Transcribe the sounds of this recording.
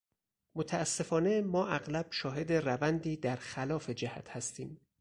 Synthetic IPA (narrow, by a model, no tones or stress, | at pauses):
mot̪ʰæːsːe̞fɒːne̞mɒːʔæɣlæb̥ʃɒːɦe̞d̪e̞rævænd̪iːd̪æɾxælɒːfe̞d͡ʒæhæ̰t̪ʰhæst̪iːm